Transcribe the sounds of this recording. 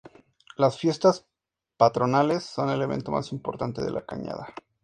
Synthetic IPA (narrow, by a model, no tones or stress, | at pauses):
lasfje̞st̪as | pat̪ɾo̞nale̞sːo̞ne̞le̞β̞e̞̰nt̪o̞ma̰simpo̞ɾt̪ant̪e̞ðe̞̰lʔakaɲa̰ð̞a